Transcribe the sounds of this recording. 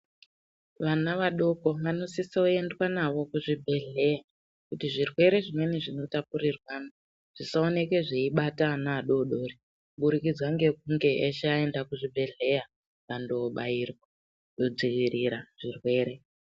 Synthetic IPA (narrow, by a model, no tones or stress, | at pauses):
ʋanaʋaɗo̞ko̞ʋano̞sisioe̞ndwanaʋo̞kuʐibʱe̞ɮe̞ja | kutiʐirwe̞ɾe̞ʐimwe̞neʐino̞tapurirwaːna | ʐ̥isao̞neke̞ʐeiɓatanaːɗo̞ɗo̞ri | ɓuɾikid͡zwaŋɡe̞k̚uŋɡe̞ʔaʃae̞ndakuʐibʱe̞ɮe̞ja | kando̞ɓajiːrwa | ɗo̞d͡ziʋiriɾaʐ̥irwe̞ːɾe̞